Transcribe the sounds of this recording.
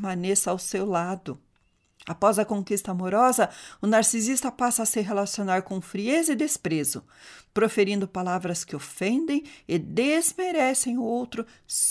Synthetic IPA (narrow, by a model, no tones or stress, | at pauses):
mɐ̃nesawsewlad̪ʊ | apɔzɐkõŋkist̪ɐamoɾɔzɐʊnaɾsizist̪ɐpasɐːsɪɦelasionaɾkõfɾiezɪd̪espɾezʊ̰ | pɾofeɾĩnd̪ʊpalavɾɐskɪofẽnd̪ẽj̃ɪd̪ezmeɾɛsẽj̃ʊowt̪ɾʊ | s